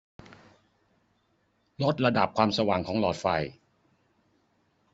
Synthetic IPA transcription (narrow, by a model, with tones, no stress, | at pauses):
lo˦˥t̪̚ɾa˧da˨˩p̚kʰwaː˧msa˧waː˨˩ŋkʰɔː˨˩˦ŋlɔː˨˩t̪̚fa̰˨˩j